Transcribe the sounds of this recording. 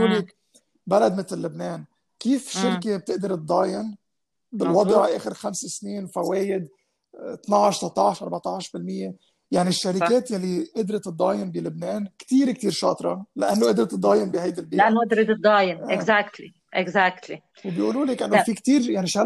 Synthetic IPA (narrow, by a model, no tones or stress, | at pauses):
ulik | balad̪mɪt̪lːʊbneːn | kiːfʃɪɾkeb̚t̪ɪʔd̪ɑɾt̪̚d̪ˤɑːjɪn | bɪlwɑd̪ˤʕʔeːxɪɾxamsesniːnfaweːjɪd̪ | t̪nɑʕʃsɑt̪ˤɑʕʃʔɑɾˤbɑʕt̪ˤɑʕʃbɪlmɪjːe | jaʕniʃːaɾɪkeːt̪jalːiʔɪd̪ɾɪt̪t̪d̪ˤɑːjɪnbilʊbneːnkt̪iːɾk̚t̪iːɾʃɑːt̪ˤɾˤɑlaʔanːoʔɪd̪ɾɑt̪d̪ˤːɑːjɪnbihajd̪albiːʔanːoʔd̪ɾit̪td̪ːˤɑːjɪnɪɡzakt̪li | ʔɪɡzak̚t̪li | wbjʔuːluːlekʔɪnːofikt̪iːɾjaʕniʃa